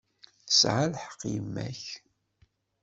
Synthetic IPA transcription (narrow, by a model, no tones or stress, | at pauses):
θə̥sʕalħə̥qːjəmːæ̰ç